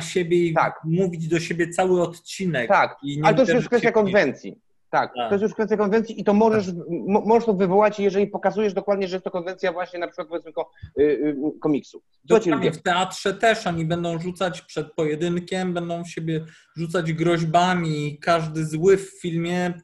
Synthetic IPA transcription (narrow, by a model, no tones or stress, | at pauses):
ɕebʲjɛit̪a̰kmuvʲid͡ʑd̪ɔɕebʲjɛt̪sawɘɔt̪t͡ɕinɛkt̪akiɲɛlɛt̪ɔj̪jɛʂkfɛst̪jakɔnvɛnt̪sʲjḭ | t̪ak̪̚t̪ɔjɛs̬juʂkfɛst̪jakɔnvɛnt̪sʲjiʔit̪ɔmɔʐɛʂmɔʐɛʂt̪ɔvɘvɔwat͡ɕjɛʐɛlʲipɔkazujɛʐd̪ɔkwad̪̚ɲɛʐɛɛst̪ɔkɔnvɛnt̪sʲjavwaɕɲɛnapʂɘkwat̪̚pɔvjɛt̪smɘkɔ | kɔmʲiksu | d̪ɔt͡ɕiuɲɛft̪ɛat̪ʂɛt̪ɛʂɔɲibɛnd̪ɔ̃w̃ʐut̪sat͡ɕpʂɛt̪̚pɔjɛd̪ɘnkʲɛmbɛnd̪ɔ̃w̃ɕebʲjɛ | ʐut̪sad͡ʑɡɾɔʑbamʲikaʐd̪ɘzwɘfːʲilmʲjɛ